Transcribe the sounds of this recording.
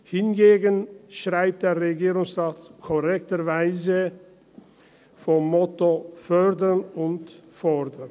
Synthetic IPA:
hɪnɡeːɡənʃʁ̥aɪp̚t̚d̥eːʁeɡiːʁʊŋsʁaːtkʰɔʁɛktəɾvaɪzə | fɔmːɔtofœʁdənʊntfɔɾdən

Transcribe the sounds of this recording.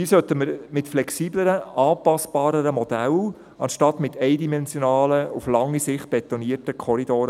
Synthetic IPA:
hiːsœt̪əməɾmɪtflɛksiːbləɾəʔɑːpɑsb̥ɑːɾəɾəmɔd̪æl | ɑnʃtɑtmɪtʰɛɪdimɛnsjonɑːləuflɑŋːisɪχt̚b̥ɛt̪oniːərtəkʰɔɾidoːɾ

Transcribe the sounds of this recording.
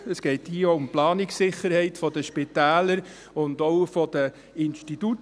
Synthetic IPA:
əsɡ̥ɛɪthiːəoʊmplɑːnɪksɪχəɾhɛɪtfɔd̥əʃpɪtæːləɾ | ʊndoʊfɔd̥ə | ɪnʃtitut

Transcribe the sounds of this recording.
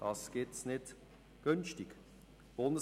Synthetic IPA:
d̥ɑsɡ̥etsnɪt | ɡ̥ʏnstɪk | b̥ʊndə

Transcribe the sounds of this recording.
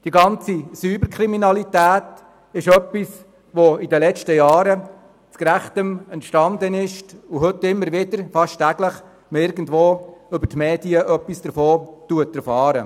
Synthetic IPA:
d̥iɡɑnt͡sisyːbəɾkʰɾiminɑlitæːt | ɪʃœpːis | ʋoidəlɛt͡ʃtəjɑːɾə | t͡skɾæχtəmɛntʃtɑnd̪ənɪʃtuɦʏtːɪmːəɾʋɪdəɾfɑʃtæɡ̥ləχ | məɪɾɡən̩dvʋoːʏbəɾtmɛːdiəʔœpːisd̥əɾfoːtuətɛɾfɑːɾə̰

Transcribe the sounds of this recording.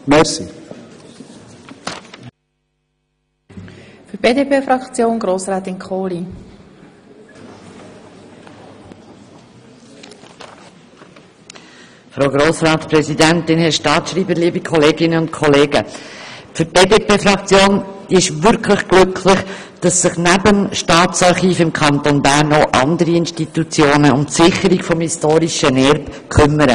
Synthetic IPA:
mɛɾsi | fyɾb̥eːdepeːfɾɑkt͡sjoːnɡɾoːsɾaːt̪ɪnkʰχoːli | fɾoːɡɾoːsrɑːt̪pɾɛzidænt̪ɪnhɛʃtɑːt̪ʃɾiːbəliːəbikʰɔleːɡɪnəʊntkʰɔleːɡə | fʏɾt̚b̥eːdeːpeːfɾɑkt͡sjoːnd̥iːɪʃvʏɾkʰləχɡ̥lʏkʰlɪχ | d̥ɑsːɪχnæbəmʃtɑːtt͡sɑɾχiːfɪmkʰɑnt̪onbæɾnoʔɑ̰ndəɾiɪnʃtit̪ut͡sjoːnəʊmtsɪχəɾiɡfɔmhistoːɾiʃənɛɾpkʰʏmːəɾə

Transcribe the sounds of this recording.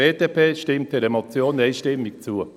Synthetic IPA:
eːdepʰeːʃtɪmt̚dɛɾɛmot͡sjoːneɪʃtɪmːɪkt͡suə

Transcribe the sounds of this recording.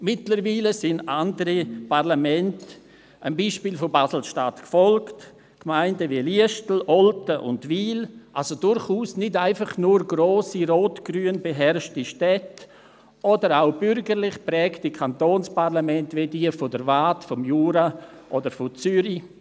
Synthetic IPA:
mɪtləɾviːləsɪnandəɾipʰaʁlamɛnt | ambiːʃpiːlfobasl̩ʃtatkfɔlkt | kmaɪndəviəliəʃtl̩ɔltəʔʊ̰ndviːlʔalsodʊɾχuːsnɪdaɪnfɑχnuːɾɡɾoːsiɾoːtɡ̥ɾyːənbəɦɛɾʃtiʃtɛt | ʔɔdəɾaʊbʏɾɡəɾlɪχpɾɛːktikʰantoːnspaʁlamɛntvediːəfodəɾvaːtfɔmjuːɾaʔodəɾfot͡syɾi

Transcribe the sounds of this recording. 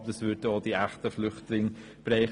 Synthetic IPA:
dəsʋʏɾdoːd̥iæχtəflʏχtlɪŋ | b̥ɾɛɪ

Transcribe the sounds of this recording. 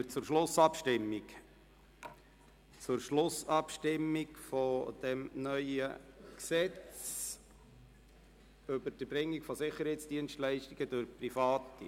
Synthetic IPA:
ət͡sʊɾʃlʊsɑpʃtɪmːik | t͡sʊɾʃlʊsɑpʃtɪmːikfɔd̥ɛmnœʏəksɛt͡s | øbəɾd̥əbɾɪŋːikfɔsɪχəɾhɛɪtt͡sd̥iənstlɛɪʃtiɡ̥əd̥ʊɾprifɑːtḭ

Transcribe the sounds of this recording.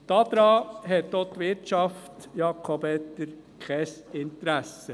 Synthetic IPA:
d̪̥ɑd̪̥ɾɑːɦɛt̪d̪oːt̪ʋɪtʃɑft̪jɑːkʰɔbɛt̪ːəɾ | kʰɛsɪnt̪ɾæsə

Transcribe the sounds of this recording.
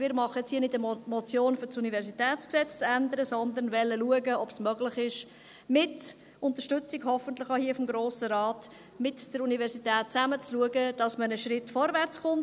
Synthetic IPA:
ɪːɾmɑχəɛt͡shiənɪtəmɔt͡sjoːnfʏt͡sunivɛɾsitɛːt͡sksɛt͡st͡sænd̪əɾəsɔnd̪ənvɛlːəluəɡəɔbsmœɡlɪχɪʃ | mɪt | ʊnt̪əʃtʏt͡sɪɡhɔfənt̪lɪχahiəfɔmɡɾoːsəɾɑːt | mɪtd̥əɾunivɛɾsitɛːt̚t͡sæmət͡sluəɡəd̥ɑsmənəʃɾɪtːfɔɾvæɾt͡sχʊnt

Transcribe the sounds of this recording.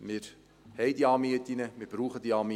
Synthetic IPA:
mɪɾ | hɛɪdiɑːmiətinəmɪɾb̥ɾuːχəd̪iɑːmi

